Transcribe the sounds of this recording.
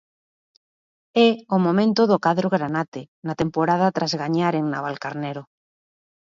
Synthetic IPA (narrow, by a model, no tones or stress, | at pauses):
ɛomomẽnt̪oðokaðɾoɣɾanat̪e | nat̪empoɾað̞at̪ɾʔazɣaɲaɾeŋnaβalkaɾnɛɾo